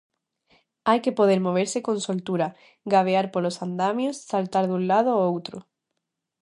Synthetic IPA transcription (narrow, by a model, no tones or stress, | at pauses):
ajkepoð̞eɾmoβ̞eɾsekonsolt̪uɾa | ɡaβ̞eaɾpolosand̪amjosːalt̪aɾðũnlað̞oowt̪ɾo